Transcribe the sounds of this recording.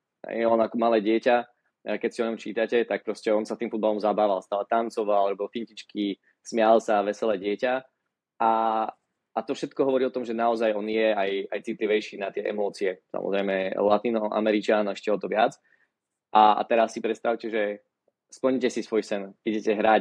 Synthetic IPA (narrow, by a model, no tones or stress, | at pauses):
ɦɛ̰ɔnakɔmalɛːɟɪɛca | kɛcsiɔɲɔmt͡ʃḭːt̪acɛt̪ak̚pɾɔscɛɔnsast̪iːmfud̪balɔmzabaːʋalst̪aːlɛt̪ant͡sɔʋaalɛɛbɔfiɲcit͡ʃki | smɪalsaʋɛsɛlɛːɟɪɛca | aː | t̪ɔfʃɛt̪kɔɦɔʋɔɾiɔt̪ɔmʒɛnaɔzajɔnjɛajajt͡sit̪liʋɛjʃiːnat̪ɪɛʔɛ̰mɔːt͡siɛsa̰mɔ̰zɾɛjmɛlat̪inɔʔa̰mɛɾit͡ʃanɛʃcɛɔt̪ɔʋɪat͡s | ʔa̰t̪ɛɾasːipɾɛt̪st̪aʊcɛʒɛ | spl̩ɲcɛsisʋɔjsɛniɟɛcɛɦɾa